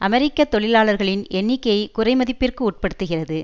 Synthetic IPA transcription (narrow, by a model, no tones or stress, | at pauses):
ʔɐmɛɾɪkːɐt̪ːɔɭɪlaːɭɐɾɣɐɭɪnɛɳːɪkːɐjɐɪkʊrɐɪmɐðɪpːɪrkɯuːʈ̚pɐɽɯt̪ːɯɣɪrɐðɯ